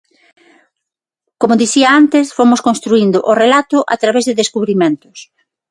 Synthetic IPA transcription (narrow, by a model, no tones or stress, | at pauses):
komoðiθiaant̪esfomʊskõnst̪ɾuind̪ʊʔorelat̪ʊʔat̪ɾaβezðeðeskuβɾimẽnt̪ʊ̥s